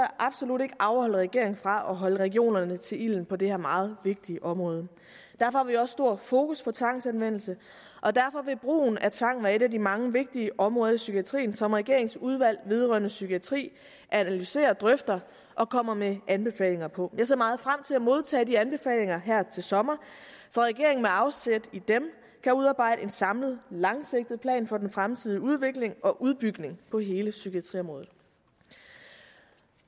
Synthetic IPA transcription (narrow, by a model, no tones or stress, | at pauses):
ʔɑ̈b̥so̝lud̥e̝ɡ̥əʔɑʊɐhɒ̽l̰əʁɛɡ̥e̝̰ɐ̰eŋfʁɑ̈ʔɒ̽ɦɒ̽ləʁɛɡ̥io̝̰ːnɐnət͡sʰe̝lil̰n̩pʰɒ̽d̥ehæɐ̰mɑ̈ːð̞̩ˠʋe̝ɡ̥̚d̥iʔɒ̽mʁɔ̽ːð̞ˠə | d̥æɐfɒ̽hɑ̈ʋiɒ̽sːd̥o̝ɐ̰fo̝ːkʰuspʰɒ̽t͡sʰʋɑ̈ŋ̰sænʋen̰l̩sə | ʔɒ̽d̥æɐfɒ̽ʋe̝b̥ʁṵːnæt͡sʰʋɑ̈ŋ̰n̩ʋæɐe̝ɾædimɑ̈ŋəʋe̝ɡ̥̚d̥iəʔɒ̽mʁɔ̽ːð̞ˠɐisyɡʰiæt͡sʰʁḭːn̩sɒ̽mʁɛɡ̥e̝ɐ̰e̝ŋsuð̞ˠʋæl̰ʋe̝ð̞ˠʁœ̰ɐnəsyɡʰiæt͡sʰʁḭː | ʔæænælyse̝̰ːɐd̥ʁœfd̥ɐ | ʔɒ̽kʰɒ̽m̰ɐmeʔænb̥e̝fɛ̰ːle̝ŋɐpʰɒ̽jɑ̈ɪse̝ɐmɑ̈ːð̞̩ˠfʁam̰t͡sʰe̝læmo̝ð̞ˠt͡sʰɛ̰ːd̥iænb̥e̝fɛ̰ːle̝ŋɐɦæɐ̰t͡sʰe̝lsɒ̽mɐsɒ̽ʁɛɡ̥e̝ɐeŋn̩meɑ̈ʊsed̥id̥em | kʰæuð̞ˠɑ̈ːb̥ɑ̈ɪ̰d̥əe̝nsɑ̈mləð̩ˠlɑ̈ŋseɡ̥̚d̥ð̩ˠpʰlɛ̰ːnfɒ̽d̥enfʁamt͡sʰið̞ˠiuð̞ˠʋe̝ɡ̥le̝ŋɒ̽ʔuð̞ˠb̥yɡ̥ne̝ŋpʰɒ̽ɦe̝ːləsykʰiæt͡sʰʁḭːɒ̽mʁɔ̽ːð̩ˠ